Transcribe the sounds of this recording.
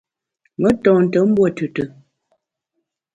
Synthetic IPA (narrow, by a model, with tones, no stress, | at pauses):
mə˦tɔ̃˨n̩˨tə˨˦m̩˦bwo˦˨tʉ˨tə˨